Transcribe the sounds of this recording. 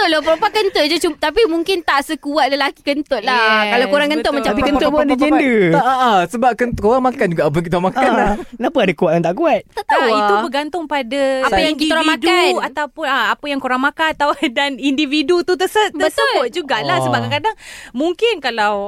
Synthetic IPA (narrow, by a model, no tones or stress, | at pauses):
t̪oʔlopəɾopakənt̪oʔd͡ʒat͡ʃumt̪apimuŋkɪnt̪aʔsəkuat̪̚ləlaki̥kənt̪oʔ̪̚lakalawkoɾaŋkənt̪oʔ̚mãt͡ʃamikəoadd͡ʒendəaasəbap̚kənt̪koɾaŋmakand͡ʒuɡaap̬əŋkit̪amakanakənapəadakuwat̪̚jaŋt̪aʔkuat̪̚t̪aʔt̪auit̪ubəɡant̪ʊŋpadaaajaŋkit̪aɾamadaunat̪awpʊnaapəjaŋkoɾaŋmakant̪awdanindividut̪ut̪əsət̪bəsəklat̪̚d͡ʒuɡaʔlahsəbaʔɡakadaŋmuŋkɪnkalaw